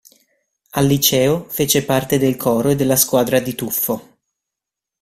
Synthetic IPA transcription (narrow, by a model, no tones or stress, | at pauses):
alːit͡ʃɛːofeːt͡ʃepart̪ed̪elkʰɔːɾoed̪ːelːaskwaːd̪ɾad̪it̪ufːo